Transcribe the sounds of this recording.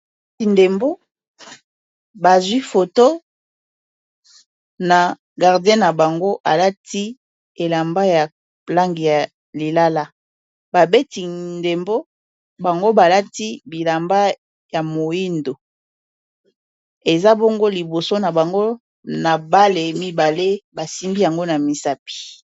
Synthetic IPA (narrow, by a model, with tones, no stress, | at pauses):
i˨nde˨mbo˦ | ba˨zwi˦fo˨to˦ | na˨ | ɡa˨ʁdɛ̃˦na˨ba˨ŋɡo˦ʔa˨la˦ti˦ | e˨la˨mba˦ja˨ | pla˦ŋɡi˨ja˨ | li˨la˦la˦ | ba˨be˦ti˨nde˨mbo˦ | ba˨ŋɡo˦ba˨la˦ti˦bi˨la˨mba˦ | ja˨mo˨ji˦ndo˨ | e˨za˦bo˦ŋɡo˦li˨bo˨so˦na˨ba˨ŋɡo˦ | na˨ba˦le˨mi˦ba˨le˦ba˨si˦mbi˦ja˨ŋɡo˦na˨mi˨sa˦pi̥˨